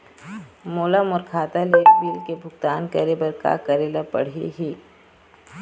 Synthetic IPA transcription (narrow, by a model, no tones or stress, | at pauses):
moːlamʊːɾkʰaːt̪aleːkbiːlkebʱʊɡt̪aːnkɐɾebɐɾka̰kɐɾeːlapɐ̰ɽ̤ḭɦiː